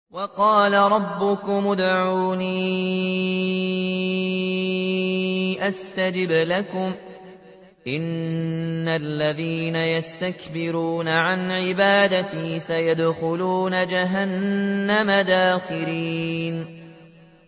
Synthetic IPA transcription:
wɑqɑːlaɾˤɑbːʊkʊmʊd̪ʕuːniː | ʔast̪ad͡ʒɪblakʊm | ʔɪnː | alːaðiːnajast̪akbɪɾuːnaʕanʕɪbaːd̪at̪iːsajad̪xʊluːnad͡ʒaɦanːamad̪aːxɪliːn

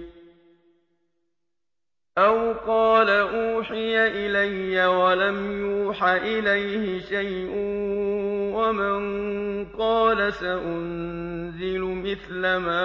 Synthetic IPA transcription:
ʔawqɑːlaʔuːħɪjaʔɪlajːawalamjuːħaʔɪlajhɪʃajʔʊ | wamanqɑːlasaʔʊnzɪlʊmɪθlamaː

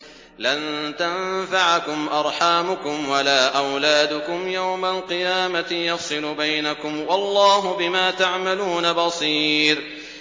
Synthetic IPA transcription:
lant̪anfaʕakʊmʔɑɾˤħaːmʊkʊmwalaːʔawlaːd̪ʊkʊmjawmalqɨjaːmaɪjɑsˤɨlʊbajnakʊmwɑlˤːɑːɦʊbɪmaːt̪aʕmaluːnabɑsˤiːɾ

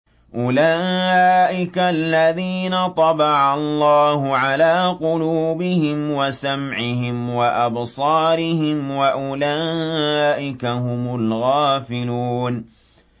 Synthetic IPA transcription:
ʔʊlaːʔɪkalːaðiːnat̪ˤɑbɑʕɑlˤːɑːhʊʕalaːqʊluːbɪhɪmwasamʕɪhɪmwaʔɑbsˤɑːɾɪhɪmwaʔʊlaːʔɪkaɦʊmʊlɣaːfɪluːn

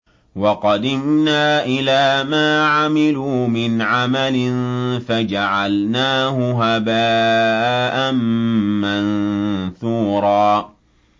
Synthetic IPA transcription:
wɑqɑd̪ɪmnaːʔɪlaːmaːʕamɪluːmɪnʕamalɪnfad͡ʒaʕalnaːhʊɦabaː | ʔanmanθuːɾˤɑː

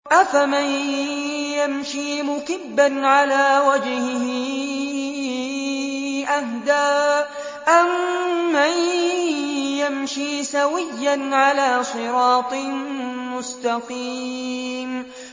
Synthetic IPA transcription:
ʔafaman | jamʃiːmʊkɪbːanʕalaːwad͡ʒhɪ | ʔahd̪aː | ʔamːan | jamʃiːsawɪjːanʕalaːsˤɨɾɑːt̪ˤɨmʊst̪ɑqiːm

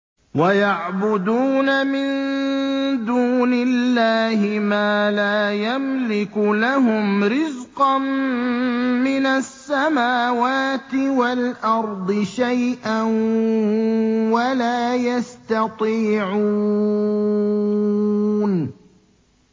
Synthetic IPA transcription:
wajaʕbʊd̪uːnamɪn | d̪uːnɪlːaːhɪmaːlaːjamlɪkʊlaɦʊmɾɪzqɑm | mɪnasːamaːwaːt̪ɪwalʔɑɾˤd̪ˤɨʃajʔan | walaːjast̪ɑt̪ˤiːʕuː | n

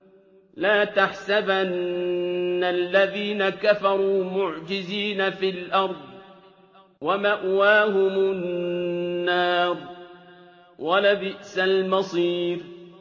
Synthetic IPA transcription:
laːt̪aħsabanː | alːaðiːnakafɑɾˤuːmʊʕd͡ʒɪziːnafilʔɑɾˤd̪ˤ | wamaʔwaːɦʊmʊnː | ɑːɾ | walabɪʔsalmɑsˤiːɾ

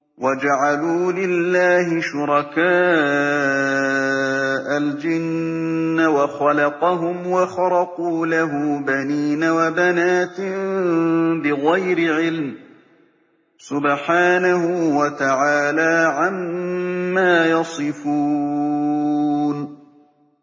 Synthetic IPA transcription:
wad͡ʒaʕaluːlɪlːaːhɪʃʊɾˤɑkaː | ʔald͡ʒɪnː | awɑxɑlɑqɑɦʊmwɑxɑɾɑquːlaɦʊbaniːnawabanaːt̪ | bɪɣajɾɪʕɪlm | sʊbħaːnahʊwat̪aʕaːlaːʕamː | aːjɑsˤɨfuː | n

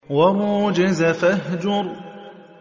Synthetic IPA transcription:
wamuːd͡ʒɪzafaɦd͡ʒʊɾˤ

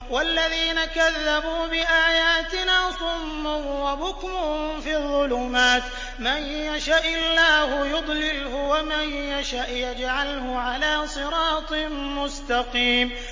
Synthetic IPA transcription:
walːaðiːnakaðːabuːbɪʔaːjaːt̪ɪnaːsˤʊmːʊwabʊkmʊfiːðˤːʊluːmaːt̪ | manjaʃaʔɪlːaːhʊjʊd̪ˤlɪlhʊwamanjaʃaʔjad͡ʒʕalhʊʕalaːsˤɨɾˤɑːt̪ˤ | mʊst̪ɑqiːm

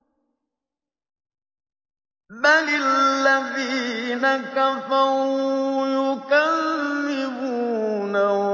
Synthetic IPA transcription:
ɓanlilavinaŋ̩kafawjokanːiwuna

